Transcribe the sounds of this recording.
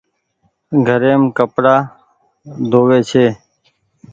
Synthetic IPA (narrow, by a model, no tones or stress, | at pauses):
ɡʱəɾeːmkəpɽaː | d̪oːʋeːt͡ʃʰeː